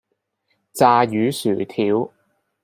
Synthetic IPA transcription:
t͡saː˨˧jyː˨˧syː˨˩t̪ʰiː˨˥w

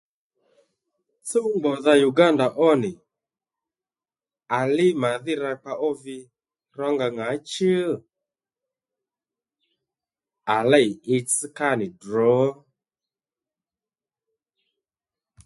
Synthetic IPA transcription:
so˦ɡ͡bɔ˨ða˧ju˨ɡa˦nda˨ʔɔ˦nɪ˨ | a˨lɪ˦ma˨ðɪ˦ɾa˧k͡pa˧ʔɔ˦vɪ˧ | ɾa˦ŋɡa˧ŋa˨˦t͡ʃə˦ | a˨lɛ˦jɪ˧si˦ka˦nɪ˨dɾɔ˨˦

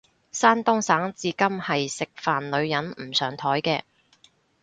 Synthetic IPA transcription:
saː˥nt̪ʊ˥ŋsaː˨˥ŋt͡siː˨˧kɐ˥mhɐ˨jsɪ˨k̚faː˨nlɵ˨˧ɥjɐ˨˥nm̩˨˩sœː˨˩ŋt̪ʰɔː˨˥jkɛː˧

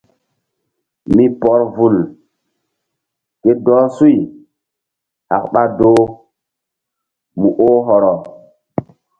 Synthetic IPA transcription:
mi˦pɔ˦ɾvu˨l | ke˦dɔː˦su˦j | ha̰˨k̚ɓa˦do˦ | mu˨ʔo˦ɦɔ˨ɾɔ˨

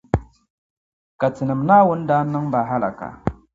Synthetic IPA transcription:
ka˨t͡si˨nə˨mna˦wu˦n˦da˦na˦ŋba˨ɦa˦la̰˨ka̰˨

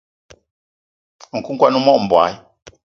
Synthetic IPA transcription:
ŋ̩˨ku˦ŋ̩˦kwa˦nu˦mɔ˦˨m̩˨bwa̰˨˦ji˦

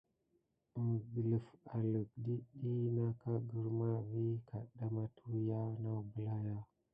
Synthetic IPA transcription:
ɡə˨lə˨fa˨lə˨k̚di˦ɗi˦na˦ka˦ɡə˦ɾma˦vi˦ka˨ɗa˦ma˦tʰu˦ja˦na˦bə˨la˦ja˦

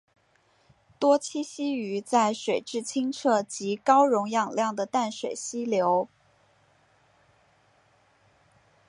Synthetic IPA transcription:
t̪wɔ˥t͡ɕʰi˥ɕi˥y˧˥t͡sa˥˩ɪʂwe˨˩ɪʈ͡ʂɻ̩˥˩t͡ɕʰi˥ŋʈ͡ʂʰɤ˥˩t͡ɕi˧˥kɑ˥ʊɻʊ˧˥ŋjɑ˥˩ŋljɑ˥˩ŋd̪ə˩t̪a˥˩nʂwe˨˩ɪɕi˥ljo˧˥ʊ

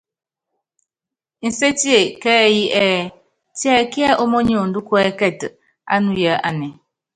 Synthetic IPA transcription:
n̩˨se˦ti˦e˨kɛ˦˨ji˦ʔɛ˦˨ | ti˦ɛ˦˨ki˦a˦ʔo˦mo˦ɲ˦o˨n̩˨du˦ku˦ɛ˦kɛ˦˨t | a̰˦nu˦ja˦ʔa˨nɛ˨

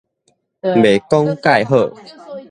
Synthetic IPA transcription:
be˨˩˦kɔ˦ŋka˥˩˨jɦə˧˩˨

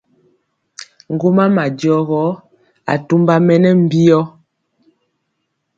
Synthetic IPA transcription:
ŋ̩˨ɡo˦ma˦ma˨d͡ʒjɔ˦ɣɔ˨˦ | a̰˨tu˦mba˦mɛ˦nɛ˦m̩˦˨bi˦jɔ˦

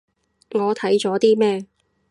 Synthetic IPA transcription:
ŋɔː˨˧t̪ʰɐ˨˥jt͡sɔː˨˥t̪iː˥mɛː˥˧

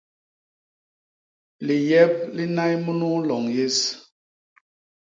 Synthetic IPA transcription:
li˨jɛ˦p̚li˦na˦jmu˦nu˦lɔ˨ŋje˦s

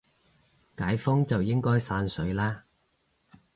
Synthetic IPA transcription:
kaː˨˥jfʊ˥ŋt͡sɐ˨wjɪ˥ŋkɔː˥jsaː˧nsɵ˨˥ɥlaː˥

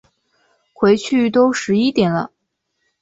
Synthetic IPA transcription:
kʰwe˧˥ɪt͡ɕʰy˥˩t̪o˥ʊʂɻ̩˧˥i˥t̪jɛ˨˩nlə̰˦

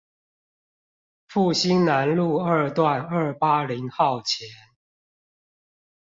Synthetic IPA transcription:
fu˥˩ɕi˦nna˨˦nlu˥˨ə˞˥˧t̪wa˥˨nə˥˩pa˦li˨˦ŋxɑ˥˨ʊt͡ɕʰjɛ˨˦n

